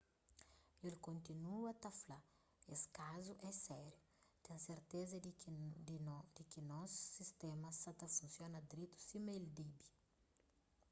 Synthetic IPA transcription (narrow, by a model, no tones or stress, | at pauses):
elkõnt̪inuɐt̪ɐfla | eskazuʔɛsɛɾju | t̪ẽseɾt̪ezɐ | d̪ikinɔsːist̪ẽmɐsɐt̪ɐfũnsjonɐd̪ɾit̪u̥simeld̪ibi